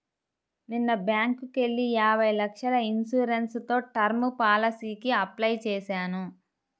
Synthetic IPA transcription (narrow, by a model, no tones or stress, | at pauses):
ninːɐbjaːŋkuke̞ɭːiaːbʱɐjlɐkʂɐlɐinsuːɾenst̪o̞ːʈɐɾmupaːlɐsiːkiɐplɐjt͡ʃɛːsaːnu